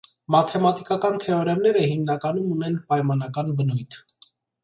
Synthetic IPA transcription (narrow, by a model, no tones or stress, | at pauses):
mɑt̪ʰɛmɑt̪ikɑkɑnt̪ʰɛɔɾɛmnɛɾəhimnɑkɑnumunɛnpɑjmɑnɑkɑnbənujt̪ʰ